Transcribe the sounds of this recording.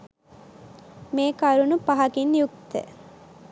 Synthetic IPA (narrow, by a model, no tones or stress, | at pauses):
meːkɐɾunupɐɦɐkinjuk̚t̪ə̰